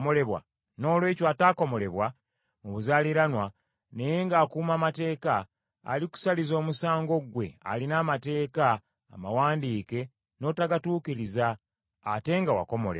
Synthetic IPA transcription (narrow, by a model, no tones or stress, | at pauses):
mole̞βwa̰ | no̞ːlwe̞ːcwataːko̞mo̞le̞βwa | muβuzaliɾanwa | ne̞je̞ŋɡaːkuːmaːmate̞ːka̰ː | liku̥salizo̞ːmusaːŋɡo̞ɡwe̞̰a̰linaːmate̞ːka̰ː | mawaːndiːke̞ | no̞ːtaɡatuːkiɾiza̰ː | te̞ŋɡawa̰ko̞mo̞̰le